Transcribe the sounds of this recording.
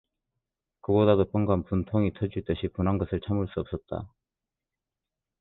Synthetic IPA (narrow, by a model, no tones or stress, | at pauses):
kɯɡodadop͈ʌŋɡanpuntʰoŋitʰʌd͡ʑuɭt͈ɯɕʰipunɦanɡʌsʰɯɭt͡ɕʰamuɭs͈uʌp̚s͈ʌt̚t͈a̰